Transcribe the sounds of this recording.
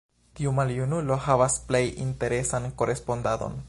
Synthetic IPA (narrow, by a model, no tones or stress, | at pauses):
tiumaljunulo̞havasple̞jḭnte̞ɾe̞sanko̞ɾʔe̞spo̞ndado̰n